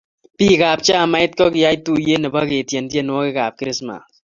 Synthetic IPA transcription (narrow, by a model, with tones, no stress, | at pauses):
pi˦ka˨p̚t͡ʃa˦˨ma˦ɪ˦t̚kɔ˦kɪ˨ja˦jtu˨je˦nɨ˨ba˦ke˨tjɛ˨ntje˦n˦wɔ˦ke˦ka˨p̚kɾɪ˦sma̰˨